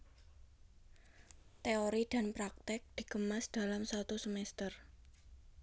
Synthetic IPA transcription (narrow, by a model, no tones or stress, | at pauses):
t̪eoɾid̪̥a̤npɾak̚t̪ɪk̚d̪̥i̤kəmasd̪̥a̤lamswat̪usəmɛst̪ər